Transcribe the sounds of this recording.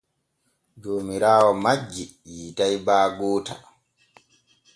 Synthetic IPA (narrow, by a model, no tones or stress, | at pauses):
d͡ʒoːmiɾaːwɔmad͡ʒːi | jiːtajbaːɡoːta̰